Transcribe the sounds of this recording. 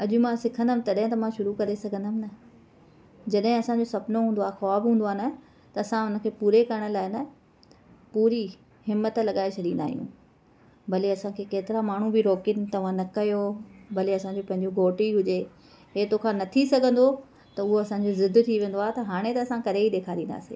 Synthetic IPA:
ɐʄʊmãsɪkʰə̃nd̪əmɪ̃t̪ɐɗɦɪ̃t̪ɐmãʃʊɾukɐɾesɐɡʱə̃nd̪əmɪnɐ | d͡ʑɐɗɦɪ̃ɐsãɲd͡ʑosɐbnoɦũːnd̪oaːɦxɔːbɦũːnd̪oaːnɐ | t̪ɐɐsãʊnə̆kʰeːpuːɾekɐɾəɽ̃ə̆laːɪnɐ | puːɾi | ɦɪmːət̪lɐɠaːet͡ɕʰɐɗĩnd̪a̰ːɦijṵ̃ː | bɐleɐsãkʰeːkeːt̪ɪɾamaːɳ̤ũbɪɾoːkɪnt̪ɐʋ̤ãnɐkɐjobɐleɐsãːɲd͡ʑopɐ̃ɦɪ̃ɲd͡ʑũɡʱoːʈiɦʊd͡ʑe | ɦeːt̪oːkʰãnɐt̪ʰisɐɡʱə̃nd̪o | t̪ɐʊɦoɐsãːɲd͡ʑozɪd̪ʱt̪ʰiʋẽːn̆d̪oaːɦet̪ɐɦaːɽ̃et̪ɐːsãkɐɾeiɗeːkʰaːɾĩːnd̪a̰ːsḛː

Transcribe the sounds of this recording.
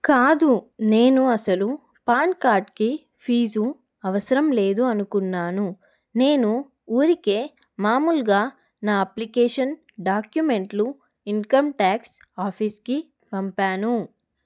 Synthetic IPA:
kaːd̪une̞ːnuɐsɐlu | paːɳkaːɾʈki | pʰiːd͡ʒu | ɐʋɐsɐɾɐmle̞ːd̪uɐnukunːaːnu | ne̞ːnu | uːɾike̞ː | maːmulɡaː | naːɐplikɛːʂɐn | ɖaːkjume̞ɳʈlu | iŋkɐmʈaːks | aːpʰiːski | pɐmpaːnu

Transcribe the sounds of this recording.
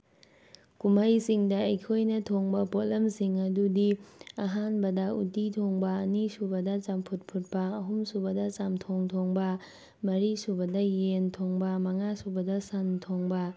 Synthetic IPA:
kumɐjsiŋdɐːjkʰojnɐtʰoŋbɐpot̚lɐmsiŋɐdudiɐɦanbɐdɐṵtitʰoŋbɐːnisubɐdɐt͡ʃampʰut̚pʰut̚pɐːɦumsubɐdɐt͡ʃamtʰoŋtʰoŋbɐ | mɐɾisubɐdɐjentʰoŋbɐmɐŋasubɐdɐsantʰoŋbɐ

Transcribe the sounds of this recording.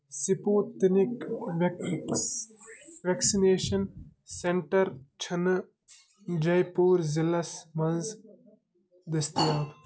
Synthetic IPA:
sipuːt̪ɪnɪk | ʋɛksineːʃɐn | seɳʈɐɾt͡ʃʰɐn | d͡ʒɐjpuːɾzɪlɐsmɐnz | d̪ɐst̪iaːt̪

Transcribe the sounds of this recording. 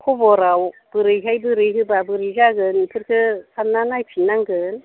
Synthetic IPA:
kʰɔbɔɾawb̥ɯɾɯjɦajbɯɾɯjɦɯbabɯɾɯzaɡɯnpʰɯɾkʰɯsʰanːanajpʰinaŋɡɯn

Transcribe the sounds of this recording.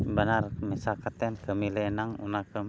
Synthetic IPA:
banarmesakat̪ɛnkəmilenaŋṵnakə

